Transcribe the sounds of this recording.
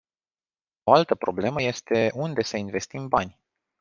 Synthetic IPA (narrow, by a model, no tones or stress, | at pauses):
o̞alt̪əpɾo̞ble̞məje̞st̪e̞und̪e̞səinve̞st̪imbanʲ